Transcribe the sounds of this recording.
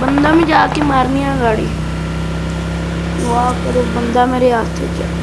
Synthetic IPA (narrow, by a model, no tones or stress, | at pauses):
bənd̪ãːmẽːd͡ʒaːkeːmaːɾnɪjãːɡaːɽḭː | ɡoaːkəɾoːbənd̪aːmeːɾeːɦaːst̪ʰḛːkɛ̰